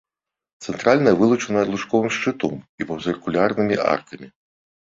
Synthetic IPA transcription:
t̪sɛnt̪ɾalʲnɐjɐvɨlˠut͡ʂɐnɐɐlˠuʂkɔvɨmʂt͡ʂɨt̪ɔmipɐwzʲɨrkulʲarnɨmʲiʔa̰rt̪ʰɐmʲi

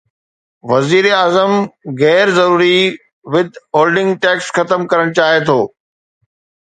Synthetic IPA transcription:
ʋɐziːɾeaːzəmɣɛːɾzɐɾuːɾi | ʋɪd̪ʱɦoːlɖɪ̃ŋɡʈɛːksxɐt̪əmkɐɾəɽ̃t͡ɕaːɦet̪ʰoː

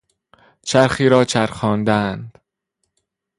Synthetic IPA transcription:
t͡ʃʰæɾxiːɾɒːt͡ʃʰæɾxɒːnd̪ænd̪̥

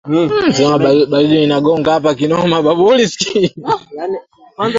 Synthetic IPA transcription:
zɛaaɓaziinaɡɔŋɡaapak̬inɔmaɓabuliski

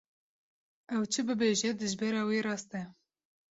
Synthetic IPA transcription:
ɛwt͡ʃʰɨbɨbeʒɛd̪ɨʒbɛɾɑːweːɾɑːst̪ɛ

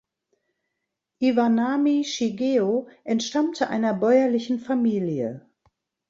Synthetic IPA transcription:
ʔivanamiʃiɡeːoʔɛntʃtamtʰəʔa̰ɪnɐbɔʏɐlɪçn̩famiːlijə̰

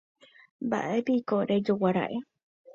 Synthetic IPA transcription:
mba̰ʔe̞piikoɾed͡ʒowaɾa̰ʔe̞

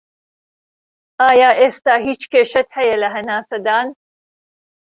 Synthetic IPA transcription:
aːjaːʔeːst̪aːɦiːt͡ʃkeːʃɐt̪hɐjɐlɐɦɐnaːsɐd̪aːn

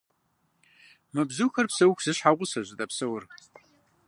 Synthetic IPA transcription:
mɨbzuxɐrpsɐwkʰʷsɨɕħaʁʷʊsɐʑɪdɐpsɐwr

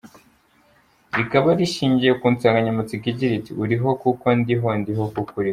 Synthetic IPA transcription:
ɾikaβaɾiʃiːɲɟijekuːnt͡saŋɡaɲamut͡sikiɟiɾitiuɾiɦo̞kuko̞ndiɦondiɦo̞kukuɾi

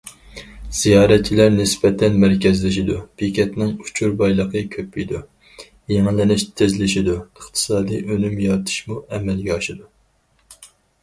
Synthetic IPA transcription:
z̥ijɑːɾɛt̪̚t͡ʃʰːilæɾnɪsbɛt̪ʰɛnmæɾkʲɛzlɪʃid̪upikʲʰɛt̪nɪŋu̥t͡ʃʰuɾbɑjlˠəqʰəkʲʰøpːijd̪u | jeŋɪlːɪnɪʃt̪ʰɪzlɪʃid̪uəχt̪ʰɨ̥sɑːd̪ɨjʔønymjɑɾt̪ʰɨ̥ʃmuɛmɛlɡʲɛɑʃɨd̪u

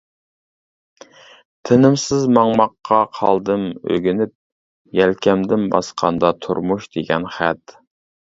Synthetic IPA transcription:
t̪ʰɪnɪmsɪzmɑŋmɑqːɑqʰɑlˠd̪ɨmø̰ɡʲinɪp̚ | jɛlkʲɛmd̪ɪnbɑ̰sqʰɑ̰nd̪ɑt̪ʰṵɾmuʃd̪eɡʲɛnχæt̪

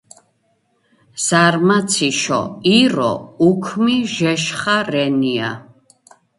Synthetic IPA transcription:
z̥aɾmat̪sʰiʃɔ̰iɾɔ̰ukʰmiʒɛʃχaɾɛnia̰

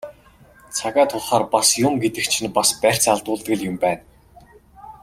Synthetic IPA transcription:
t͡sʰaɣaːt̪ʰʊɮχaːrpasjʊmɡet̪ɘ̆k̚t͡ɕʰĭnpaspær̥ʲt͡saɮt̪ʊːɮt̪ɣɘ̆ɮjʊmpæːn

